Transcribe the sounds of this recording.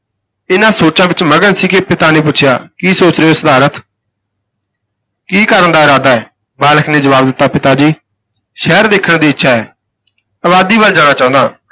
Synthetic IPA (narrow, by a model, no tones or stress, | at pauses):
ɪnãːsoːt͡ʃãːʋɪt͡ʃməɡənsiːkepɪt̪aːnẽːpʊtːʃʰɪja̰ːkiːsoːt͡ʃɾeːoːsəd̪aːɾət̪ | kiːkəɾənd̪aːɪɾaːd̪aːɛː | baːləkʰneːd͡ʒəʋaːbd̪ɪt̪ːaːpɪt̪aːd͡ʒiː | ʃɛːɾd̪eːkʰːəɳd̪iːɪtːʃʰaːɛː | əβaːd̪iːbəld͡ʒãːñaːt͡ʃaːʊ̃nd̪a̰ː